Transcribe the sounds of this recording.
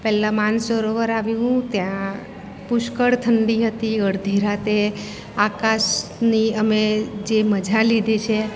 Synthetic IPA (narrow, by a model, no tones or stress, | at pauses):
pɛlãmansoɾoʋəɾaʋjũɦũt̪jã | pʊʃkəɽt̪ʰəɳɖiɦət̪iəɾd̪ʱiɾat̪e | akaʃniəmed͡ʒeməd͡ʒʱalid̪ʱet͡ʃʰe